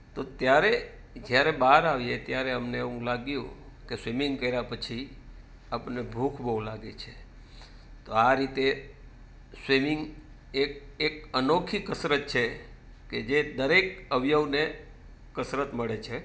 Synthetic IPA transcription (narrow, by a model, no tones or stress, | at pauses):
t̪ot̪jaɾe | d͡ʒjaɾebaɾaʋjet̪jaɾeəmneeʋũlaɡjũ | kesʋimiŋɡkəiɾapət͡ʃʰi | apənebʱukʰbəũlaɡet͡ʃʰe | t̪oaɾit̪e | swimiŋɡ | ek̚ekənokʰikəsɾət̪̚t͡ʃʰe | ked͡ʒed̪əɾekəʋjəʋne | kəsɾət̪məɭet͡ʃʰe